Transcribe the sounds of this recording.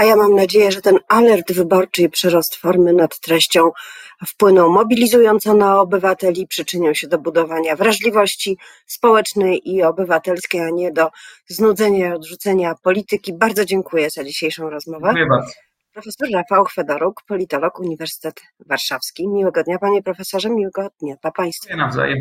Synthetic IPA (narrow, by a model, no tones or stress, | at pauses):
ajamamnad͡ʑejɛʐɛt̪ɛnalɛɾd̪vɘbɔɾt͡ʂɘjpʂɛɾɔst̪fɔɾmɘnat̪ːɾɛɕt͡ɕɔ̃w̃fpwɘnɔ̃wmɔbʲilʲizujɔnt̪sɔ̃naɔbɘvat̪ɛlʲipʂɘt͡ʂɘɲɔwɕɛd̪ɔbud̪ɔvaɲavɾaʐlʲivɔɕt͡ɕi | spɔwɛt͡ʂnɛjʔiɔbɘvat̪ɛlskʲejaɲɛd̪ɔznud̪zɛɲaiɔd̪ʐut̪sɛɲapɔlʲit̪ɘkʲibaɾd̪zɔd͡ʑɛŋkujɛzad͡ʑiɕejʂɔ̃w̃ɾɔzmɔvɛjɛba | pɾɔfɛsɔɾːafawxfɛd̪ɔɾukpɔlʲit̪ɔlɔkuɲivɛɾsɘ̥t̪ɛt̪ | vaɾʂafskʲimʲiwɛɡɔd̪ɲapaɲɛpɾɔfɛsɔʐɛmʲiwɛɡɔd̪ɲapapaj̃st̪fnavza̰jɛm